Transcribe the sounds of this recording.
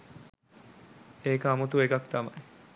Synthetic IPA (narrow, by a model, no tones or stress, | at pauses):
eːkəamot̪uekakt̪ama̰j